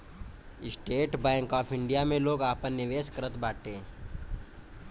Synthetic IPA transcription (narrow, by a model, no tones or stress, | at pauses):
ɪsʈeːʈbaːŋkɔːpʰɪ̃ɳɖijamẽloːɡaːpənːɪʋeːskəɾət̪baːʈe